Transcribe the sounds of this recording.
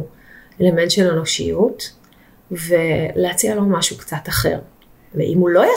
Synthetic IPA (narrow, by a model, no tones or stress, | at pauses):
ele̞me̞ntʃeleno̞ʃḭjut | ve̞leat͡sialo̞maʃukt͡sataχe̞̰ʁ | vḛʔimulo̞ja